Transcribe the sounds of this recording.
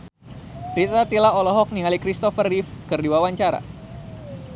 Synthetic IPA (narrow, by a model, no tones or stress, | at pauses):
ɾit̪at̪ilaɔlɔɦɔk̚niŋalikɾist̪ɔfərifkərdiwawaɲt͡ʃaɾa̰